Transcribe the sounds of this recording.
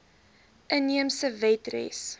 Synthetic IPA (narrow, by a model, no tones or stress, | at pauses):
ʔəniəmsəvɛtrɛ̰s